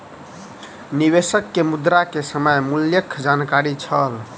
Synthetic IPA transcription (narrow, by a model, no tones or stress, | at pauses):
niβesəkːemud̪ɾakesəməjmuljəkʰd͡ʒankaɾit͡ʃʰəl